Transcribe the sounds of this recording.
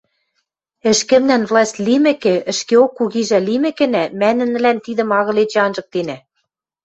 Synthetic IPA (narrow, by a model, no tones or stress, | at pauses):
ɘ̆ʃkɘ̆mnænvlˠɑsʲtʲlimɘ̆kĕɘ̆ʃkeokːuɣiʒælimɘ̆kɘ̆næmænɘ̆n̆lænt̪id̪ɘ̆mɑɣɤ̆let͡ɕĕɑnʒɤ̆k̚t̪enæ